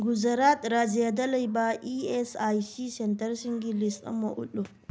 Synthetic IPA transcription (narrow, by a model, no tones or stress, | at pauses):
ɡuzɐɾat̪ɾaːzijad̪ɐlɐjbaʔiɛsajsisɛntɐɾsiŋɡilist̪ɐ̰mɐʔʊ̰ɗo